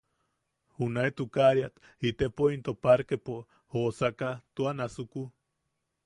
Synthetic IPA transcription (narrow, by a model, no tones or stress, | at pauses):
hunaet̪ukaɾjat̪ | it̪epoint̪opaɾkepo | hosakat̪uanasuku